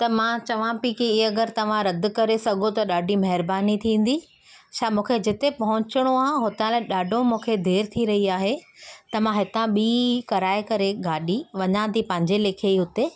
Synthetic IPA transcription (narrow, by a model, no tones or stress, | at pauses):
t̪ɐmãt͡ɕɐʋ̤ãpikiɪɐɡəɾt̪ɐʋ̤ãɾɐd̪ʊ̆kɐɾesɐɡʱot̪ɐɗaːɖʱimɐɦɪɾbaːnit̪ʰĩːn̆d̪i | ʃʰaːmũːkʰed͡ʑɪt̪epɐɦʊ̃t͡ɕɪɽ̃oaːɦɦʊt̪ãlẽɗaːɖʱõmũːkʰed̪ʱeːɾɪt̪ʰiɾɐɦiaːɦet̪ɐmãɦɪt̪ãɓiːkɐɾaːekɐɾeɡaːɗiʋɐɲãd̪ipɐ̃ɦɪ̃ɲd͡ʑeleːkʰeiɦʊt̪e